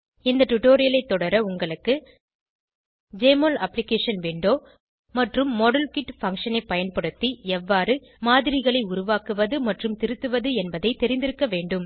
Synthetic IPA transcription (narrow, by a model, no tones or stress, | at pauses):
ɪnd̪ɐʈʊʈoːɾɪjɐlɐɪt̪ːɔɽɐɾɐʊŋɡɐɭɯkːɯ | d͡ʒeːmolɐpːlɪkeːʂɐnʋeːɳɖoː | mɐʈrɯmːɔɽɐlkɪʈfɐŋkʂɐnɐɪpːɐjɐnpɐɽɯt̪ːiɛʋːaːɾɯ | maːðɪɾɪɣɐɭɐɪʊɾʊʋaːkɯʋɐðɯmɐʈrɯmt̪ɪɾɯt̪ːɯʋɐðɯɛnbɐðɐɪt̪ːɛɾɪnd̪ɪɾɯkːɐʋeːɳɖɯm